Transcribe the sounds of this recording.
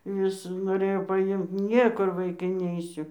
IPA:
ˈʋʲɪs noːˈrʲeːjoː pɐˈɪmt ˈnʲiɛkʊr ʋɐɪˈkɐɪ ˈnʲɛɪsʲʊ

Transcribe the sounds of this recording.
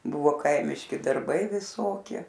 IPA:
ˈbʊʋoː ˈkɐɪmʲɪʃʲkʲɪ dɐrˈbɐɪ ʋʲɪˈsoːkʲiɛ

